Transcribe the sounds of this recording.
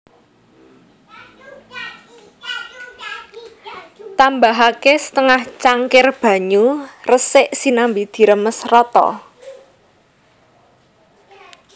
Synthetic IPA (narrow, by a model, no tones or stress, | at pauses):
t̪ambaɦakesə̥t̪əŋaht͡ʃaŋkɪrb̥ä̤ɲurəsɪʔsinambid̪̥i̤ɾəməsrɔt̪ɔ̰